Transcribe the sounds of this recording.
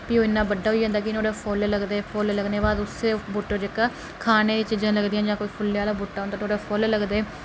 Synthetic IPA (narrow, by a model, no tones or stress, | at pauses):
pioːɪnːãːbəɖːaːɦoiːɦãnd̪aːkɪnoːɽaːpʰoːlləɡd̪eːpʰoːlləɡneːbaːd̪ʊsebʊʈːõːd͡ʒɪkaː | kʰaːneːd̪ɪt͡ʃiːd͡ʒãːləɡd̪ijãːd͡ʒãːkoiːpʰʊljãːlaːbʊːʈːaːõnd̪aːt̪ʰoːɽaːpʰolləɡd̪eː